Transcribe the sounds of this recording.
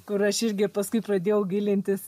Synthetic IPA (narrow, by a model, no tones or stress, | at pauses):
kʊɾɐʃɪɾʲɡʲɪpɐskʊɪpɾɐd̪ʲeːjɛʊɡʲilʲɪnʲt̪ʲɪs